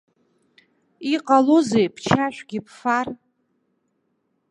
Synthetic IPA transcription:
iqʼalozejpʰt͡ʃʰaʃʷᶣɡʲɪpʰfar

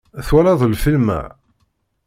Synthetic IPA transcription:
θwælɑðˤlfilmæ̰

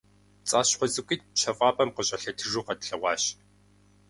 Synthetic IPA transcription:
t͡sʼaːɕχʷɔzɨkʷʼit̚ʃʰɐfʼɑːpʼɐmqəɕʼɐɬɐtʰɨʐuːqɐtɬɐʁʷɑːɕ

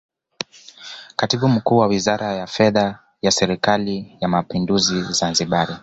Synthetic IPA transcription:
katiɓum̩kuːwawizaɾʔajafɛða | jasɛɾikalijamapinduzizanziɓaɾi

